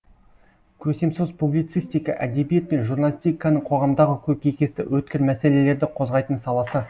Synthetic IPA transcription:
kʲʰɵse̞msozpublijt̪sɨjst̪ijkɑʔæd̪e̞bije̞t̪̚pe̞nʒurnalʲisʲt̪ijkɑnəɴqʰo̞ʁɑmd̪ɑʁəkʲʰɵpkʲʰekʲe̞sɪ̰wɵt̪̚kʲɪɾmæse̞le̞le̞ɾd̪ɪqʰo̞zʁɑjt̪ənsɑlˠɑsə

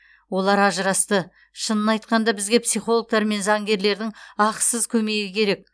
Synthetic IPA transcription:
wo̞lˠɑɾɑʒəɾɑst̪ə | ʃənənɑjt̪̚qɑnd̪ɑbɪzɡʲe̞psijχolˠok̚t̪ɑɾme̞nzɑŋɡʲe̞ɾle̞ɾd̪ɪŋɑqsəzkʲʰɵme̞ɡʲɪkʲʰe̞ɾe̞k̚

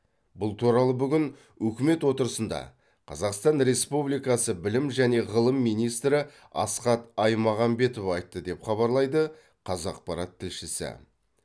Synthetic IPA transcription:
bʊlˠt̪ʰuɾɑlˠəbʏɡʲɪn | wɵkʲɪme̞t̪wo̞t̪əɾəsənd̪ɑ̰ | qʰɑzɑqst̪ɑnɾe̞spublijkɑsəbɪlɪmʒæne̞ʁəlˠəmːijnijst̪ɾɪ | ɑ̰sqɑt̪ɑjmɑʁɑmbe̞t̪ovɑjt̪ːəd̪e̞pχɑβɑɾlˠɑjd̪ə | qʰɑzɑq̚pɑɾɑt̪ʰːɪlʃɪsɪ̰

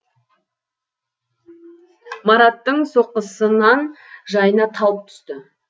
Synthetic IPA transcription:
mɑɾɑt̪ːəɴso̞qəsənɑnʒɑjənɑt̪ʰɑlˠəp̚t̪ʰʏ̥st̪ɪ

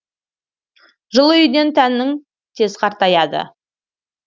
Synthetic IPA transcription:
ʒəlˠəʏjd̪e̞nt̪ʰænːɪŋ | t̪ʰe̞zqʰɑɾt̪ɑjɑd̪ə̰

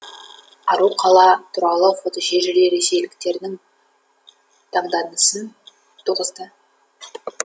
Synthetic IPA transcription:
ɑ̰ɾuqʰɑlˠɑt̪ʰʊɾɑlˠəqot̪əʃeʒɪɾeɾe̞se̞jlɪkt̪e̞ɾd̪ɪŋ | t̪ʰɑɴd̪ɑnəsən | t̪ʰuʁəzd̪ə

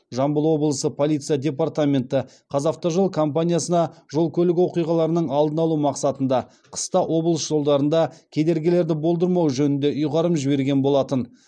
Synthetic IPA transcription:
ʒɑmbəlˠwo̞bəlˠəsəpʰo̞lʲˠijt̪sɨjadʲe̞part̪amʲe̞nt̪ɪ | qʰɑzɑft̪oʒəlˠkʰo̞mpanʲijasənɑʒo̞lˠkʲʰɵlɪɡʲwo̞qijʁɑlˠɑɾənəɴɑlˠd̪ənɑlˠumɑqsɑt̪ənd̪ɑ | qʰə̥st̪ɑʔwʔo̞bəlˠəsʒ̥o̞lˠd̪ɑɾənd̪ɑkʲʰe̞d̪e̞ɾɡʲɪle̞ɾd̪ɪbo̞lˠd̪əɾmɑwʒɵnɪnd̪e̞ʔʊjʁɑɾəmʒɪbe̞ɾɡʲe̞nbo̞lˠɑt̪ən

